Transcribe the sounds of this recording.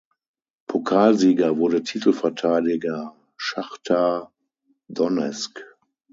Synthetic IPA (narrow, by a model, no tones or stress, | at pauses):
pʰokʰaːlziːɡɐvʊɐdətʰiːtl̩fɛɐtʰaɪdɪɡɐ | ʃaχtʰa | dɔnɛ̰sk